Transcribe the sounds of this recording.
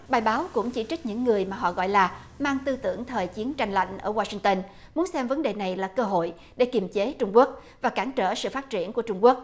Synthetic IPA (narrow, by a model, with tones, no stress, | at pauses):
ɓaː˨˩jɓaː˨˦wkʊ̰˧˥ŋ͡mt͡ɕḭ˧˩t͡ɕi˦˥k̚ɲɨ̰˧˥ŋːɨ˨˩əjmaː˨˩ɦɔ̰˧˨ɣɔ̰˧˨jlaː˨˩ | maː˧ŋt̪ɨ˧t̪ɨ̰˧˩˨əŋt̪ʰəː˨˩jt͡ɕi˨˦ənt͡ɕa˧jŋla̰˧˨jŋ̟ʔəː˧˩waː˧si˧ŋt̪ə˧n | mu˨˦ənsɛ˧mvə˨˦nɗe˨˩na˨˩jlaː˨˩kəː˧ɦo̰˧˨j | ɗe˧˩ki˨˩mt͡ɕe˨˦t͡ɕʊ˧ŋ͡mku˦˥ək̚ | vaː˨˩kaː˧˩ŋt͡ɕəː˧˩sɨ̰˧˨faː˦˥t̚t͡ɕi˧˩ənku˧˩ət͡ɕʊ˧ŋ͡mku˦˥ək̚